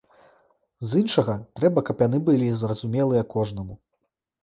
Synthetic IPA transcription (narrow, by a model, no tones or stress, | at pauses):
zɨnʂɐɣɐt̪ɾɛbɐkɐpjan̪ɨbɨlʲizrɐzumʲɛlˠɨjɐkɔʐnɐmu